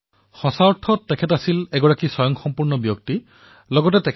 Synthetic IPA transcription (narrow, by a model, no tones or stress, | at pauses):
xɔsaɔʈʰːɔtːekʰetasilɛɡɔɹakisɔjɔŋxɔmpuɹnɔbjokt̪i | lɔɡɔt̬etek